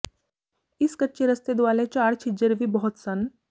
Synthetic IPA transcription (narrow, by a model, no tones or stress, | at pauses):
iskəʈt͡ɕeɾəst̪ed̪ʋalet͡ɕaɽt͡ɕʰid͡ʑəɾʋiːbɔɦɔt̪sən